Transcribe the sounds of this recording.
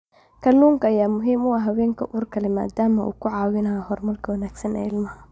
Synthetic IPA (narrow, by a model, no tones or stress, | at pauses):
kʰɐluːŋkʰɐɐjaːmʊɦiːmʊɐɦɐwɛːŋkʰɐʔuːrkʰɐlɛma̰ːd̪aːmɐʔṵːkʰʊʕɑːwɪnɐjɐɦɔrmɐrkʰɐwɐnaːɡsɐnɛ̰ːɪlmɐhɐ